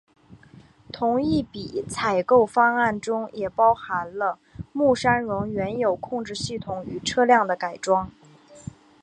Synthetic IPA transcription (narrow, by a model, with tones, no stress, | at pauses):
t̪ʰʊ˧˥ŋi˥˩pi˨˩t͡sʰa˨˩ɪko˥˩ʊfɑ˥ŋa˥˩nʈ͡ʂʊ˥ŋjɛ˨˩pɑ˥ʊxa˧˥nlə˧ | mu˥˩ʂa˥nɻʊ˧˥ŋɥɛ˧˥njo˨˩ʊkʰʊ˥˧ŋʈ͡ʂɻ̩˥˧ɕy˥˩t̪ʰʊ˧˥ŋy˧˥ʈ͡ʂʰɤ˥ljɑ˥˩ŋd̪ə˩ka˨˩ɪʈ͡ʂwɑ˥ŋ